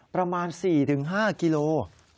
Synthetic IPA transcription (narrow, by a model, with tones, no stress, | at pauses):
pɾa˧maː˧nsiː˨˩t̪ʰɯ˩˦ŋɦaː˥˩ki˧loː˧